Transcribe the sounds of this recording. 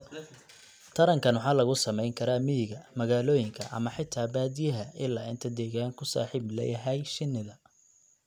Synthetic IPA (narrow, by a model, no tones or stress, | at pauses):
t̪ʰɐɾɐŋkʰɐnwʊħɑːlɐɣʊsɐmɛjŋkʰɐɾaːmɪɪɣɐmɐɣaːlɔːjɪŋkʰɐʔɐ̰mɐħɪt̪ʰːaːbaːd̪ɪjɐɦɐɪlaːɪ̰nt̪ʰɐd̪ɛːɣaːŋkʰʊsa̰ːħiːblɛ̰jɐɦɛjʃɪnːɪðɐ